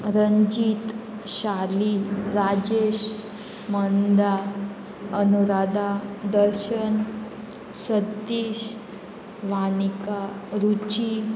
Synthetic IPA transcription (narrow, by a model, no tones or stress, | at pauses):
ɾəɲd͡ʑit̪ | ɕaliɾad͡ʑeɕ | mənd̪a | ənuɾad̪ad̪əɾɕən | sət̪ːiːɕ | ʋanikaɾut͡ɕi